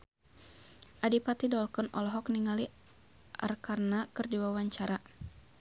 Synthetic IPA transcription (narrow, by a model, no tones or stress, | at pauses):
ʔadipat̪idɔlkɔnɔlɔɦɔkniŋali | ʔa̰rkarnakɨrdiwawaɲt͡ʃaɾa